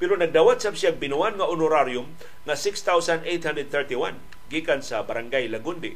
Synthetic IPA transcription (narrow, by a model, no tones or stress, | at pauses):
pɛɾonɐɡ̚d̪awat̪̚sabsjaɡ̚bɪnuanŋaʔʊnʊɾaɾjʊm | ŋasɪkst̪awsand̪ejt̪hand̪ɾɛd̪̚θɛɹt̪iwan | ɡiːkansabaɾaŋɡajlaɡʊnd̪ɪ